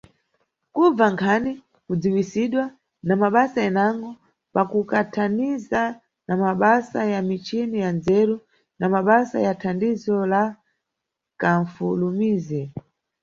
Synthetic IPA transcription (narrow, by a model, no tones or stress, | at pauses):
kub͡vaŋkʰani | kud͡ziwisiɗwa | namaɓasaɛnaŋɡɔ | pakukatʰaniza | namaɓasajamit͡ʃinijanzɛɾu | namaɓasa̰jatʰandizɔla | kaɱfulumiːzɛ